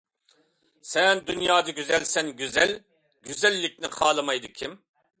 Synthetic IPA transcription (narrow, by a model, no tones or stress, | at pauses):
sɛnd̪ynjɑːd̪ɨɡʲyzɛlsɛnɡʲyzɛl | ɡʲyzɛlːɪk̚ʲnɪχɑːlˠɨmɑjd̪ɨkʲʰim